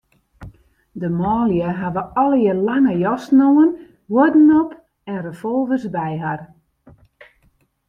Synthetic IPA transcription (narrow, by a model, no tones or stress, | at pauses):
dəmɔːljəɦaʋəɔlˠjəlaŋəjɔsnowən | wodnɔp | ɛnrəfɔlˠvəsbɛjɦar